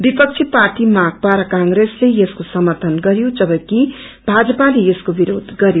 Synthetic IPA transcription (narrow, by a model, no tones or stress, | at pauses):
bipʌk̚t͡sʰiparʈimak̚paɾʌkaŋɡɾeslejeskosʌmʌrt̪ʰʌnɡʌɾjod͡zʌbʌ̃ki | bʱad͡zʌpalejeskobiɾod̪ʱɡʌɾjo